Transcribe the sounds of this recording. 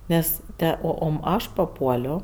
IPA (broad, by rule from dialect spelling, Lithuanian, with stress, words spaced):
ˈnʲɛs ˈtʲɛ ˈoː ˈoːm ˈɐʃ pɐˈpuɔlʲoː